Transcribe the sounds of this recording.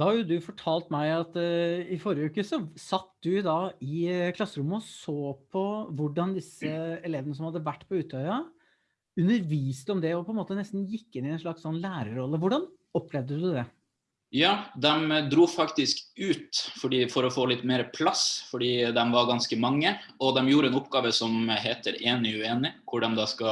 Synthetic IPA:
d̪̥ɑhɑjʊd̪ʉfɔʈʰɑːlt̪mæɪɑt̪ɪfɔɾəʉːkəsɔsɑt̪ːd̪ʉd̪ɑːɪkʰlɑsːəɾʊmːəɔsoːpʰɔʋʊɖːɑnd̪ɪsːəɛleːʋənəsɔmhɑd̪ːəʋæʈːpʰɔʉːt̪ʰœʏɑ | ʉnːəɾʋiːst̪əɔmd̪ɛɔpʰɔɛnmoːt̪ənɛst̪n̩jɪkːɪnɪɛnʂɭɑksɔnlæːɾəɾɔlːəʋʊɖɑn | ɔpʰːlɛʋd̪əd̪ʉd̪ɛ | jɑːd̪ɛmd̪ɾuːfɑkt̪ɪskʉːt̪fɔɖiːfɔɾɔfoːlɪt̪ːmeːɾəpʰlɑsfɔɖiːd̪ɛmʋɑɾɡɑnskəmɑŋːəɔd̪ɛmjuːɾəɛːnʊpɡɑːʋəsɔmɦeːt̪əɾeːnɪʉeːnɪkʰʊɖɛmd̪ɛskɑ

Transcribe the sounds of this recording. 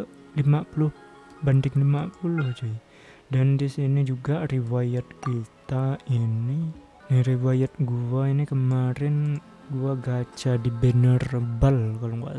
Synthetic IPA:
limapulʊh | bəndɪŋlimapulʊhd͡ʒa | dandisinid͡ʒuɡariwajat̪̚kit̪aini | niɾiwajat̪̚ɡuainikəmaɾɛn | ɡuaɡat͡ʃadibənərəbalkaloŋɡua̰

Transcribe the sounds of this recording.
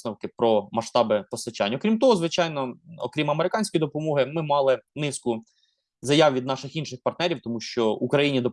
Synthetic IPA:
nɔwkɪpɾɔmɐʃt̪ɑbɪpɔst̪ɐt͡ʃɑ̰nʲːɐɔkɾʲimt̪ɔɦɔzʋɪt͡ʃɑjnɔɔkɾʲimɐmeɾɪkɑnʲsʲkɔjd̪ɔpɔmɔɦɪmɪmɑlˠɪnɪskʊ | zɐjɑwʋʲid̪nɑʃɪxinʃɪxpɐrt̪nɛɾʲiwt̪ɔmuʃt͡ʃɔukɾɐjinʲid̪ɔ

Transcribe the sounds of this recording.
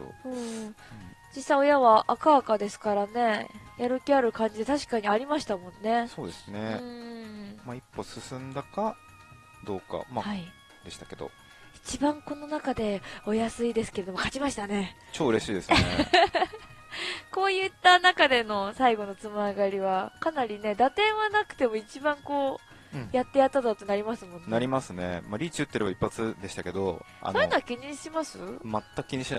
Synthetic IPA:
o̰ɯ̃ː | d͡ʑisaio̞jaβaʔːkaːkad̪e̞sɨ̥kaɾane̞jaɾɯ̟kʲiaɾɯ̟kãɲ̟d͡ʑid̪e̞t̪aɕi̥kaɲ̟iaɾʲimaɕi̥t̪amõ̞nːe̞so̞ːd̪e̞sɨneɯ̃ː | maipːo̞sɨsɨ̃nd̪aka | d̪o̞ːka̰mahai | d̪e̞ɕi̥t̪ḁke̞d̪o̰ | i̥t͡ɕibãŋko̞no̞nakad̪e̞o̞jasɨid̪e̞sɨ̥ke̞ɾe̞d̪o̞mokat͡ɕimaɕi̥t̪ane̞ | t͡ɕoːɯɾe̞ɕiːd̪e̞sɨnḛ | ko̞ːjɯt̪ːanakad̪e̞no̞saiɡo̞no̞t͡sɨmɯaɡaɾʲiβakanaɾʲine̞d̪at̪ẽ̞ɰ̃βanakɯ̟̥t̪e̞mo̞it͡ɕibãŋkõ̞ː | jat̪ːe̞jat̪ːat̪at̪ːonaɾʲimasɨmõ̞nnaɾʲimasɨne̞̰maɾʲiːt͡ɕiɯt̪ːe̞ɾebaipːat͡sɨd̪e̞ɕi̥t̪ake̞d̪o | a̰oːoiɯnoakʲiɲ̟iɕimasɨmat̪ːakɯ̥kʲiɲ̟iɕina

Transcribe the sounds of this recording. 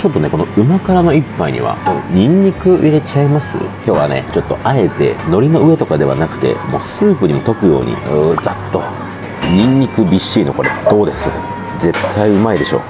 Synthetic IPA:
t͡ɕo̞t̪ːo̞ne̞ko̞no̞ɯ̟makaɾano̞ipːaiɲ̟ḭβa̰oɲ̟ĩɲ̟ːikɯ̟ʔiɾe̞t͡ɕaimasɨ̰ço̞ːβane̞̰t͡ɕo̞t̪ːo̞ʔae̞t̪e̞̰no̞ɾʲino̞ɯ̟e̞t̪o̞kad̪e̞βa̰nakɯ̟̥t̪e̞̰mo̞̰ːsɨːpɯ̟ɲ̟imo̞t̪o̞kɯ̟jo̞̰ːɲ̟ḭɯd͡zat̪ːo̞ | ɲʲĩɲːikɯ̟bʲiɕːiːno̞ko̞ɾe̞̰d̪̥o̞ːd̪e̞sɨ | ze̞t̪ʰːaiɯ̟maid̪e̞ɕo̞̰ː

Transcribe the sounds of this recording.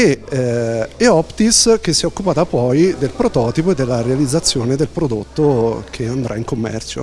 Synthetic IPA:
e | eɔpt̪isk̟esːiɛokːupaːt̪apɔjd̪elpɾot̪ɔːt̪ipoed̪ːelːaɾealid̪zːat̪sːjoːned̪elpɾod̪ot̪ːokʰeand̪ɾʔaiŋkomːɛ̰rt͡ʃo̰

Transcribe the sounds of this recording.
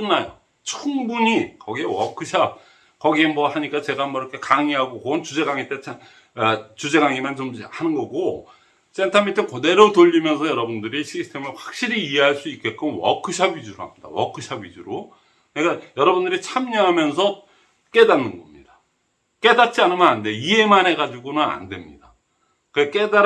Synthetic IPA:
kɯnːajo̰ | t͡ɕʰuŋbuɲikʌɡiewʌkʰɯɕʰab̚ | kʌɡiemʌhaɲik͈at͡ɕe̞ɡanmʌiɾʌkʰe̞kaŋiɦaɡokont͡ɕud͡ʑe̞ɡaŋit͈et͡ɕʰa | t͡ɕud͡ʑe̞ɡaŋimant͡ɕomhanɯnɡʌɡo | sentʰamitʰɯnkone̞ɾotoʎːimjʌnsʰʌjʌɾʌbundɯɾiɕʰisʰɯ̥tʰe̞mɯɭɸwak̚ɕ͈iɾiːe̞ɦaɭs͈uik͈e̞t̚k͈ɯnwʌ̰kʰɯɕʰabid͡ʑuɾohamɲid̥a̰wʌ̰kʰɯɕʰabid͡ʑuɾo | neɡajʌɾʌbundɯɾit͡ɕʰamɲʌɦamjʌns̬ʰʌ | k͈e̞danːɯnɡʌmɲidḁ | k͈e̞dat̚t͡ɕ͈ianɯnmanande̞ie̞manɦe̞ɡad͡ʑuɡonɯna̰ndwe̞mɲida | kɯɾek͈e̞daɾ

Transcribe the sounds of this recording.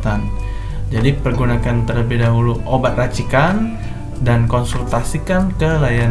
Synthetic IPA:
t̪an | d͡ʒadipərɡunakant̪ərləbɪhdaɦuluʔobat̪̚rat͡ʃikan | dankɔnsult̪asikankəlajan

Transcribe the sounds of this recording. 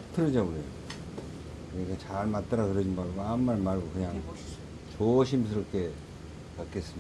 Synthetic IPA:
tʰɯɾɯd͡ʑaɡoe | kɯɲikʰat͡ɕaɭmat͈ʌɾakɯɾʌd͡ʑinbaɾɡoamːaɭmaɭɡokɯɲaŋ | t͡ɕoɕʰims̬ʰɯɾʌkʰe̞ | pak͈e̞s͈ɯm

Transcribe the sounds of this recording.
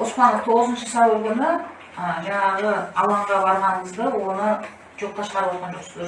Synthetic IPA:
ʊspɑnəqt̪ʰo̞ʁəzənʃəsɑwəlˠkʲʰʏnɪ | əʒɑɴɑʁəɑlˠɑɴʁɑbɑɾʁɑnəɴəzd̪əwo̞nə | ʒ̥o̞p̚t̪ɑʃə̥ʁɑɾəpwot̪̚qɑnʒoq̪sd̪

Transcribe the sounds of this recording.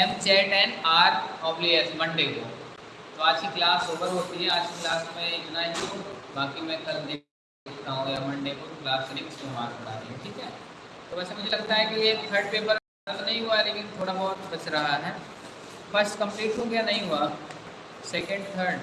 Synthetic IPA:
ɛmt͡ʃɛːʈɛːnaːɾɔːbliɛsmɐ̃ɳɖeko̰ | t̪oaːt͡ʃkiklaːsɦoːpəɾɦoːt̪iɦɛ̃aːd͡ʒkiklaːsmẽjʊnaːd͡ʒõbaːkimɛ̃kʰɐld̪eːk | ekt̪aːɦũjamɐ̃ɳɖekoklaːsɾɪ̃ksmẽma̰ːɾpɐɽa̰ːɾḭɛ̃ʈʰiːkɦɛːt̪oːʋɛːsemʊd͡ʒʱelɐɡt̪aɦɛkijek̪ʰɐɾɖpeːpəɾ | t̪nɐɦĩɦualeːkɪnt̪ʰoːɽabɔɦɔt̪bɐt͡ʃɾɐɦaɦɛː | fɐɾsʈkɐ̃mpleːʈɦõːɡejanɐɦĩɦua | sɛːkə̃ɳɖt̪ʰɐɾɖ

